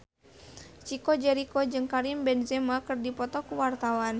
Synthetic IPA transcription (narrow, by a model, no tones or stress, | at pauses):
t͡ʃikɔd͡ʒɛɾikɔd͡ʒɨŋkaɾimbɛnzɛmakɨrdipɔt̪ɔkuwart̪awan